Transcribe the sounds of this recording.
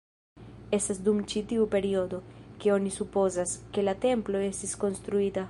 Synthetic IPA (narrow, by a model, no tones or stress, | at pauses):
e̞stasdumt͡ʃitiupe̞ɾio̞do̞ke̞o̞nisupo̞zaske̞late̞mplo̞e̞stisko̞nst̪ɾuita